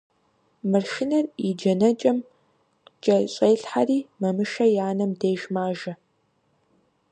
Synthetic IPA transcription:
mɨrʃɪnɐrid͡ʒɐnɐt͡ʃʼɐm | qt͡ʃʼɐɕʼeːɬħariːmɐmɨʃɐjaːnɐmdeːʒmaːʒɐ

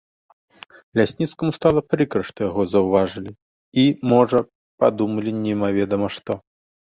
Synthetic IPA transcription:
lʲasʲnʲit̪skɐmust̪alˠɐpɾɨkɾɐʂt̪ɐjaɣɔzɐwvaʐɨlʲi | imɔʐɐ | pad̪umɐlʲinʲɛmavʲɛd̪ɐmɐʂt̪ɔ

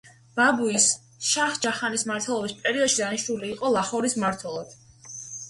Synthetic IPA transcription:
b̥abuis | ʃaχd͡ʒaχanismaɾt̪ʰwɛlˠɔbispʼɛɾiɔd̪ʃid̪aniʃnuliːqʼɔlˠaχɔɾismaɾt̪ʰwɛlˠad̪̥

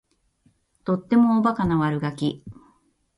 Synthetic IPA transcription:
t̪o̞t̪ːe̞mo̞ːbakanaβaɾɯ̟ɡakʲi

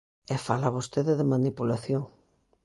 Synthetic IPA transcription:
efalaβost̪eðeðemanipulaθjoŋ

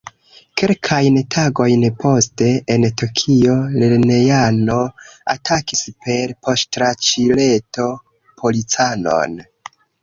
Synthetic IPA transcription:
ke̞lkʰajntʰaɡo̞jnpo̞ste̞entokʰio̞leɾne̞jano̞a̰tʰakispe̞ɾpo̞stɾat͡ʃile̞to̞ | pʰo̞lit͡sano̞̰n

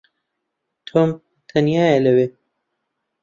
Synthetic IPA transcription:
t̪ʰoːm | t̪ʰɐnjaːjelɐweː

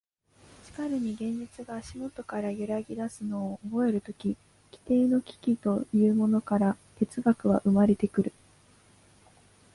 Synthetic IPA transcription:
t͡ɕi̥kaɾɯ̟ɲ̟iɡẽ̞ɲ̟d͡ʑit͡sɨɡaːɕimo̞t̪o̞kaɾajɯɾaɡʲid̪asɨno̞ːbo̞e̞ɾɯ̟t̪o̞kʲi | kʲi̥t̪e̞ːno̞kʲi̥kʲit̪o̞jɯ̟ːmo̞no̞kaɾat̪e̞t͡sɨɡakɯ̟βaʔɯ̟maɾe̞t̪e̞kɯ̟ɾɯ̟

